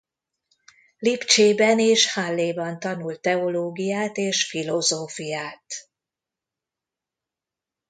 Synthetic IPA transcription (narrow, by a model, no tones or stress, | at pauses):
lipt͡ʃeːbɛneːʃhalːeːbɒnt̪ɒnult̪ːɛoloːɡijaːt̪eːʃfilozoːfijaːt̪